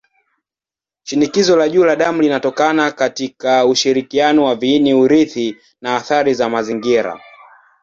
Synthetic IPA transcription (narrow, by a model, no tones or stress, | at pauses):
ʃinikizɔlaʄuːlaɗamulinatɔkanakatikauʃiɾikianɔwaviːniuɾiθi | naːθaɾizamaziŋɡiɾa̰